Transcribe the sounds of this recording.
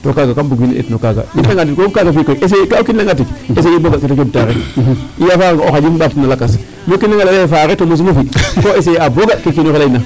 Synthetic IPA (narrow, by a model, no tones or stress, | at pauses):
tokaɡakambuɡina̰ʔḛtnokaɡa̰ifnaŋɡatitkokaɡafikoiʔes̬ekokinːaŋɡatikes̬ejiboɡaketekebtaɾeijafaɾaŋoxad͡ʒifbainalakas | mokinːaɡalalajefaɾetomos̬umufikoes̬ejaboɡakekinoxelajna